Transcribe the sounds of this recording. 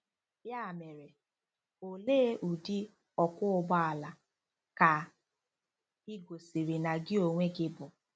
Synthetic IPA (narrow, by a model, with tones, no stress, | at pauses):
ja˦˨me˨ɾe˨ | o˨leː˦ʔu˨di˦ | ɔ˨kʊ˦ʊ˦ɡ͡ba˦a˨la˨ | ka˨ | i˦ɡo˨si˨ɾi˨na˨ɡɪ˦o˨ŋʷe˦ɡɪ˦bʊ˨